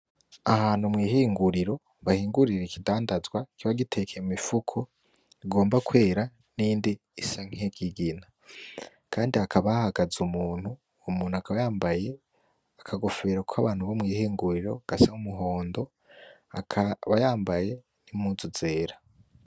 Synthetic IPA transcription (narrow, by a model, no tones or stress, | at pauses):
ahaːn̥humŋiːhiːŋɡuɾiɾo̞ | βahiːŋɡuɾiɾekidaːndazɡwakiβaɡitʰe̞kʰeimifukʰo | iɡo̞ːmbakwe̞ːɾa | niːndiːsaŋ̥eɡiɡina | kʰaːndiakʰaβahaɡazumuːn̥huː | muːn̥uakʰaβajaːmbaje̞ | akʰaɡo̞fe̞ɾokʷʰaβaːn̥huβomŋiːhiːŋɡuɾiɾo̞ɡ̥asaumuɦo̞ːndo̞ | aβajaːmbaje̞ | nimuzuz̥e̞ːɾa